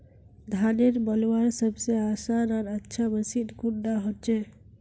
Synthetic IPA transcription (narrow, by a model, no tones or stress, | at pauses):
d̪ʱaneɾbəlwaɾsəbseasanaɾətːʃʰabəsid̪kud̪aɦot̪̚t͡ʃʰɛ